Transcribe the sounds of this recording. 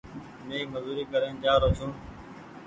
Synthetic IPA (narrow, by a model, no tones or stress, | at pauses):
mẽːməzuːɾiːkəɾẽːnd͡ʒaːɾəsʰũː